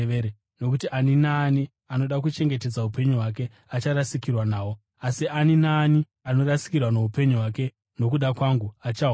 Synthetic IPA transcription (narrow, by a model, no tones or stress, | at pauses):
eɾe | no̞k̬utiʔaninaːni | ano̞ɗak̬ut͡ʃe̞ŋɡe̞te̞d͡zaupe̞ɲuɦwake̞ | at͡ʃaɾasikirwanaːwo | asianinaːni | ano̞rasi̥kirwanoɦupe̞ɲuɦwake̞ | no̞kuɗakwaŋɡuat͡ʃa